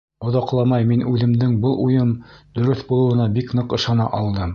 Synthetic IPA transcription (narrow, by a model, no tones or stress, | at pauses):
ŏðɑqlˠɑmɑjminʉðɘ̆md̪ɘŋbɤlˠujɤmd̪ɵ̆ɾɘθbulˠɤ̆wɤ̆nɑbiknɤqɤ̆ʃɑnɑ̰ʔɑlˠd̪ɤm